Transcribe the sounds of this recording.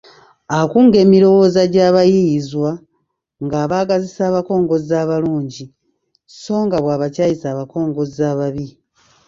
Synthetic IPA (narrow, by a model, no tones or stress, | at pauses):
akuːŋɡe̞ːmiɾo̞wo̞ːzaɟaːβajizwa | ŋɡaβaːɡazisaːβako̞ːŋɡo̞zaːβaluːɲɟi | so̞ːŋɡaβwaːβacaːjisaːβako̞ːŋɡo̞szaβaβi